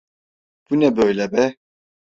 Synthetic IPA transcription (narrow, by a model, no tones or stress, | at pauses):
b̥unɛbøjlɛbɛ